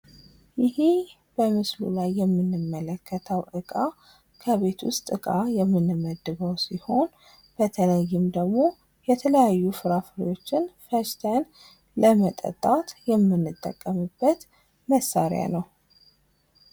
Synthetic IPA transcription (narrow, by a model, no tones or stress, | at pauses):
jɪhi | b̥əmɨslṵlajːɛmːɨnːɨmːələkʰːət̪ʰəwʔɨkʼa | kʰəβe̞t̪wʊ̰st̪ʼɨkʼajɛmːɨnːɨməd̪ːɨβəwsiho̞n | b̥ət̪ʰələjːɨmd̪əɡmo̞ | jɛt̪ʰələjajːufɨɾafɨɾo̞t͡ʃːɪnfəʃt̪ʰən | ləmət̪ʼə̰t̪ʼːat̪jɛmːɨnːɨt̪ʼːə̰kʼːəmɨbːət̪ | məsːaɾj̰a̰nəw